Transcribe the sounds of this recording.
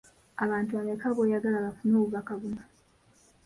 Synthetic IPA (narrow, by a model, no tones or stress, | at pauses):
aβaːntuanekaβojaɡalaβafunoːβuβakaβuna